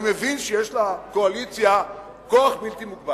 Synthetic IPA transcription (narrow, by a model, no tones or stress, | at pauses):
mevinʃejeʃlako̞alit͡sja | koaχbilt̪imukba